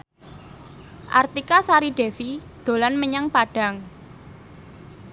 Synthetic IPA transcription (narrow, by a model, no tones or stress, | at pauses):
ʔa̰rt̪ikasaɾiɖ̥efid̪̥o̤lanməɲaŋpaɖ̥a̤ŋ